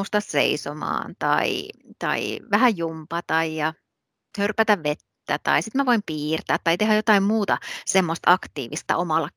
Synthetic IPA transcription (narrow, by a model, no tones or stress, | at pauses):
ust̪ɑsḛisomɑ̰ːnt̪ɑ̰ḭt̪ɑ̰ḭʋæhæjumpɑt̪ɑijɑ | hørpæt̪æʋʋet̪ːæt̪ɑ̰isit̪mæʋoimpiːrt̪æːt̪ːɑit̪eɦæjot̪ɑimmuːt̪ɑsemːost̪ɑkt̪ḭːʋist̪ɑ̰ʔomɑlːɑ